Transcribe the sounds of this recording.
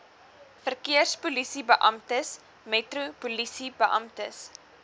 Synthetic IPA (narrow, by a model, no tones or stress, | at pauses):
fərkiərspulisibəʔɐmtəs | mɛtrupulisibəʔɐmtəs